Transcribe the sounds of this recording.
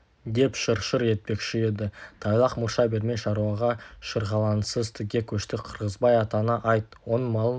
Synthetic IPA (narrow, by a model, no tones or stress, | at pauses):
d̪e̞pʃəɾʃəɾje̞t̪̚pe̞kʃɪe̞d̪ɪt̪ʰɑjlˠɑqmʊɾʃɑbe̞ɾme̞ʃɑɾuɑʁɑʃəɾʁɑlˠɑnsəzt̪ʰɪkʲe̞kʲʰɵʃt̪ɪqʰəɾʁəzbɑjɑt̪ɑnəʔɑjt̪̚wo̞nmɑlˠ